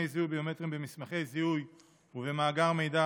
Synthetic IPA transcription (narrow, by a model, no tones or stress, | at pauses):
ejziujbejometʁimbemismaχe̞jziuj | uvemaːɡaʁme̞jda